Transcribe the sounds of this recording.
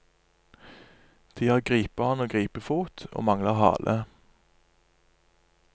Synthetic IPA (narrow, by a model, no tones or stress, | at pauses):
d̪̥ʰiːɑʁɡʁiːpəhɑnoːɡʁiːpəfuːt̪ʰo̰ːmɑŋlɑʁhɑ̰ːlʔə